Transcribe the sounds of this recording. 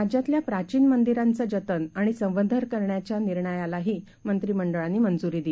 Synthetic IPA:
ad͡ʑjat̪ljapɾat͡ɕiːnmənd̪iɾant͡sad͡ʑət̪ənaɽ̃isə̃ʋ̃ʋəd̪ʱəɾkəɾɳjat͡ɕjaniɾɳəjalaɦiː | mənt̪ɾiːməɳɖəɭanːiːmənd͡zuɾiːd̪i

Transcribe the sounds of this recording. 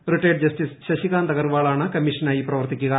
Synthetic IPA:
ɾiʈeːɖ̚d͡ʒɐsʈisʃɐʃikaːnd̪ɐɡɐɾʋaːɭaːɳɐkɐmːiʂɐnaːjipɾɐʋɐɾt̪ikʲːuɡa

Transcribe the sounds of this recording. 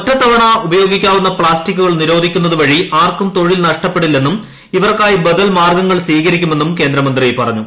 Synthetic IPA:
otːɐt̪ːɐʋɐɳɐubɐjo̞ːɡikʲːaːʋunːɐpɭaːstikːuɣɐɭniɾo̞ːd̪ʱikʲːunːɐðuʋɐɻiʔaːrkumt̪o̞ɻilnɐʂʈɐpːe̞ɽilːe̞nːum | iʋɐrkaːjibɐd̪ɐlmaːrɡɐŋːɐɭsʋiːkɐɾikʲːume̞nːumke̞ːnd̪ɾɐmɐnd̪riejpɐrɐɲːu

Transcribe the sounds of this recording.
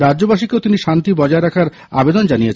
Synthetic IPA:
ɾad͡ʑd͡ʑobaʃikeot̪iniʃant̪ibɔd͡ʑaeɾakʰaɾ | a̰bed̪ond͡ʑanijet͡ɕʰ

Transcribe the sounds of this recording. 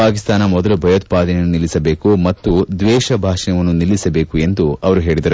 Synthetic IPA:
paːkist̪aːnɐmɔd̪ɐlubʱɐjɐt̪̚paːd̪ɐnɐnːunilːisɐbe̞ːkumɐt̪ːud̪ʋɛːʃɐbʱaːʂɐnɐʋɐnːunilːisɐbe̞ːkue̞nd̪uɐʋɐɾuɦe̞ːɭid̪ɐɾu

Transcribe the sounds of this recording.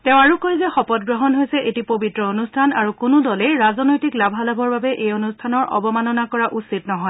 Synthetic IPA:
tɛ̃ʊ̃aɹukojzɛxɔpɔt̚ɡɹɔɦɔnɦojsɛʔetipobitɹɔonustʰanaɹukʊnʊdɔlɛɹazɔnojtiklabʱalabɔɹbabɛʔejonustʰanɔɹɔ̰bɔmanɔnakɔɹaʔusitnɔɦɔj

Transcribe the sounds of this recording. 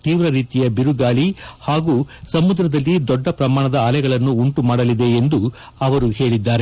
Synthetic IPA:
t̪iːʋɾɐɾiːt̪ijɐbiɾuɡaːɭihaːɡuːsɐmud̪ɾɐd̪ɐlːid̪ɔɖːɐpɾɐmaːɳɐd̪ɐaːlɛɡɐɭɐnːuːɳʈumaːɽɐlid̪e̞ːnd̪u | ɐʋɐɾuɦe̞ːɭid̪ːaːɾe

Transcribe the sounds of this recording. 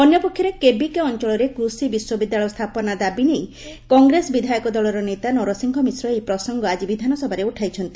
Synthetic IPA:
ɔnjɔpokʰjɔɾekebikeɔnt͡ʃɔɭɔɾekɾusibiswɔbid̪ːaɭɔjɔst̪ʰapɔnad̪abinej | kɔŋɡɾesɔbid̪ʱajɔkɔd̪ɔɭɔɾɔnet̪anɔɾɔsiŋkʰɔmisɾɔejpɾɔsɔŋɡɔad͡ʒibid̪ʱanɔsɔbʱaɾeuʈʰajt͡ʃʰɔnt̪i̥

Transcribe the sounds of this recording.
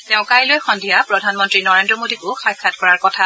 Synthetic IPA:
teʊ̃kajlojxɔndʱijapɹɔdʱanmɔntɹinɔɹendɹɔmodikʊxajkʰːatkɔɹaɹkɔtʰa

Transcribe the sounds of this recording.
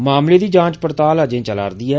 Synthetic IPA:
maːmleːd̪iːd͡ʒãːt͡ʃpəɾt̪aːlad͡ʒẽːt͡ʃəla̰ːɾd̪iːɛː

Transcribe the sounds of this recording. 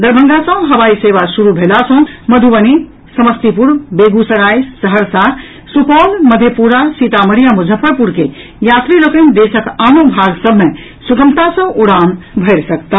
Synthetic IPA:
d̪əɾbʱə̃ŋɡasə̃ɦəʋaiseʋasuɾubʱelasə̃məd̪ʱuʋəni | səməst̪ipuɾbeɡusəɾajsəɦəɾsaɾ | sukɔlməd̪ʱjepuɾasit̪aməɾijamud͡ʒʱəpʰːəɾpuɾke | jat̪ɾiɾokend̪esəkanũbʱaɡsəbʱme | suɡəmt̪asə̃ʔuɽambʱəɾsəkt̪a

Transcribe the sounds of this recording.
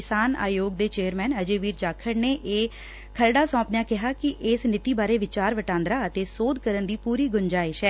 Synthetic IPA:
ɪsaːna̰ːjoːɡ̚d̪eːt͡ʃeːəɾmɛːnəd͡ʒeːʋiːɾt͡ʃaːkʰəɽneːʔeː | kʰəɾɖaːsɔ̃ːpnjãːkɪɦaːkɪʔɪsnɪt̪iːbaːɾeːʋɪt͡ʃaːɾʋəʈãːnd̪ɾaːət̪eːsoːd̪kəɾənd̪iːpuːɾiːɡʊɲd͡ʒaːɪʃɛː

